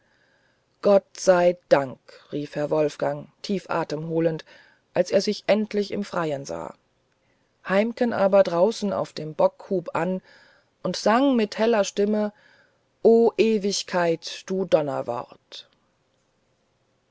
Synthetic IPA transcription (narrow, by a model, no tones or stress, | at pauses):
ɡ̥ɔt̚z̥aɪd̥aŋkʁ̥iːfhɛɐvɔlfɡ̥aŋtʰiːfʔa̰ːtəmɦoːlənt | ʔalseːɐzɪçʔɛntʰlɪçɪ̰mfʁ̥aɪənza̰ː | haɪmkənʔaːbɐdʁaʊsn̩a̰ʊfd̥eːmbɔkhuːpʔan | ʔʊntz̥aŋmɪthɛlɐʃtɪmə | ʔoːʔeːvɪçkʰaɪtd̥uːdɔnɐ̰vɔ̰ʁt